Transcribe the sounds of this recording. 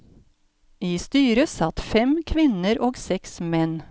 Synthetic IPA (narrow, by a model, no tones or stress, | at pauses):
iːst̪yːɾəsɑt̪fɛmkʰʋɪnəɾʔoːɡsɛksmɛn